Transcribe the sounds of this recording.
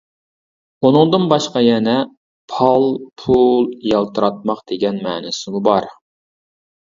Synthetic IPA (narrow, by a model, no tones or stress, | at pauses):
unɨŋd̪ɨnbɑʃqɑjɛnɛ | pʰɑlˠpʰulˠjɑlˠt̪ʰɨɾɑt̪̚mɑqd̪̥eɡʲɛnmɛ̰ːnɪsɪmubɑɾ